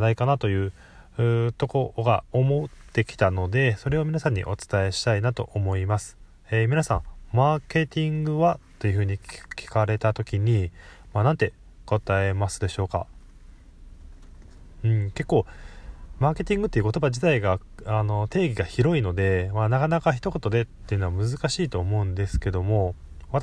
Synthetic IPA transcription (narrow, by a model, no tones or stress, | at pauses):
naikanat̪o̞jɯ̟ː | ɯːt̪o̞ko̞ɡao̞mo̞t̪ːe̞kʲi̥t̪ano̞d̪e̞so̞ɾe̞o̞mʲinasãɲ̟ːḭʔo̞t͡sɨ̥t̪ae̞ɕi̥t̪ainat̪o̞̰ʔomo̞imasɨ̥ | emʲinasã̰ɴmaːke̞t̪ʲĩŋɡɯ̟βat̪ːo̞jɯ̟ɸɯ̟ːɲ̟ikʲi̥kaɾe̞t̪at̪o̞kʲiɲ̟imanãnt̪e̞ | ɡ̥o̞t̪ae̞masɨd̪e̞ɕo̞ːka̰ | ɯ̟̃ɴke̞kːo̞ː | maːke̞t̪ʲĩŋɡɯ̟t̪ːeiɯ̟kot̪o̞bad͡ʑit̪aiɡaano̞t̪e̞ːɡʲiɡaçiɾo̞ino̞d̪e̞manakanakaçi̥t̪o̞ko̞t̪o̞d̪e̞t̪ːe̞jiɯ̟noamɯ̟zɨkaɕiːt̪o̞ːmo̞ɯ̟̃nd̪e̞sɨ̥ke̞d̪o̞mo̞ | βat̪